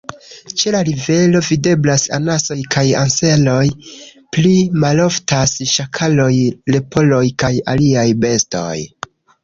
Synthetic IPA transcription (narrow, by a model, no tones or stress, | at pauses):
t͡ʃe̞laɾive̞lo̞vide̞blasa̰naso̞jkʰaja̰nse̞lo̞j | plimalo̞ftasʃakʰalo̞jle̞pʰo̞lo̞jkajaliajbe̞sto̞̰j